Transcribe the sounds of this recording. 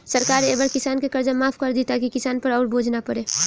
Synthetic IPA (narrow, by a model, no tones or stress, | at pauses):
sɐɾkaːɾeːbəɾkɪsaːnkekɐɾd͡ʒamaːpʰkɐɾd̪it̪akikɪsaːnpɐɾɔːɾbʱoːd͡ʒʱnapɐɾeː